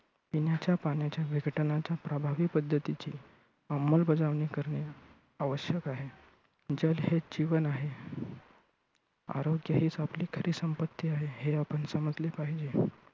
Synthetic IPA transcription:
pinjat͡ɕjapaɳjat͡ɕjaʋʱiɡəʈnat͡ɕjapɾəbʱaʋiːpəd̪ʱːət̪it͡ɕiː | amːəlbəd͡zaʋniːkəɾɳe | aʋəɕjəkaɦe | d͡ʑəlɦed͡ʑiʋənaɦe | a̰ɾoɡjəɦiːt͡sapliːkʰəɾʔiːsəmpət̪ːiːaɦeɦeapənsəmət̪lepaɦid͡ʑe

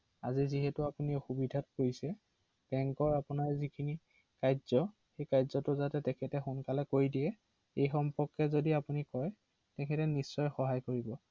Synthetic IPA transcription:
aziziɦɛtʊapuniɛxubidʱat̚koisɛ | b̥ɛŋkɔɹapunaɹzikʰini | kajz̥ɔ | xejkajzɔtʊzatɛtɛkʰɛtɛxʊnkalɛkoɹjdiɛ | ejxɔmpɔɹkɛzodiapunikɔj | tɛkʰɛtɛnisːɔjxɔɦajkoɹibɔ

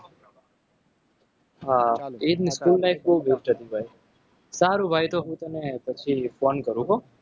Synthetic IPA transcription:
ɦaet̪niskulːajfboɦubekʈʰət̪ibʱaj | saɾũbʱajt̪oɦũt̪ənepət͡ʃʰifonkəɾũɦo

